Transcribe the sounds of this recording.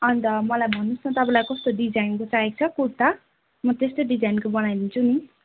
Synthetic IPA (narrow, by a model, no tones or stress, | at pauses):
ʌnt̪ʌmʌlajbʱʌnːusnʰʌt̪ʌpãlajkʌst̪oɖid͡zajnkot͡saɦek̚t͡sʰʌkut̪a | mʌt̪est̪oɖid͡zajnkobʌnajd̪int͡sʰuni